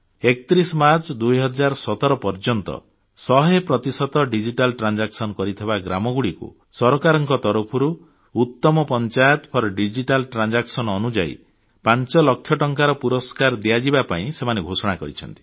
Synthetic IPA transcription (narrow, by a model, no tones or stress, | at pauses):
ekt̪ɾisɔmaɾt͡ʃɔd̪ujɦɔd͡ʒaɾsɔt̪ɔɾɔpɔɾd͡ʒɔnt̪ɔ̰ | sɔɦepɾɔt̪isɔt̪ɔɖid͡ʒiʈalʈɾand͡ʒaksɔnkɔɾit̪ʰibaɡɾamɔɡuɽikṵ | sɔɾɔkaɾɔŋkɔt̪ɔɾupʰɔɾuː | t̪ːɔmɔpɔnt͡ʃajɔt̪ɔpʰɔɾɔɖid͡ʒiʈalʈɾand͡ʒaksɔnɔnud͡ʒa̰ḭ | pant͡ʃɔlɔkʰːjɔʈɔŋkaɾɔpuɾɔskaɾd̪iad͡ʒibapaĩsemaneɡʱosɔɽ̃akɔɾit͡ʃʰɔ̰nt̪i̥